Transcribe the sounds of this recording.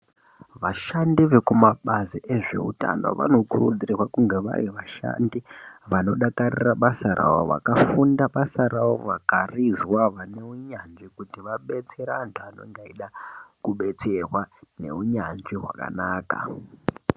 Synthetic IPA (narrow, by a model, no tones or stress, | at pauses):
ʋaʃandiʋekumaɓaziʔe̞ʐe̞̰uta̰no̞̰ʋa̰no̞kurud͡zirirwakuŋɡe̞ʋa̰riʋaʃa̰ndiʋano̞ɗakariraɓasaɾʔa̰wo̞ʋa̰kafundaɓasaɾawo̞ʋakarizwaʋane̞uɲanʐikutiʋaɓe̞t͡se̞ɾaːntʰuano̞̰ŋɡaiɗakuɓe̞t͡serwane̞̰uɲanʐiɦwa̰ka̰naːka̰